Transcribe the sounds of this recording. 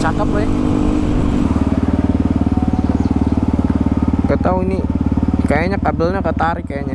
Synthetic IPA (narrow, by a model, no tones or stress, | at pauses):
sakapaɛ | kət̪auinikajaɲakabəlɲakət̪aɾikajaɲa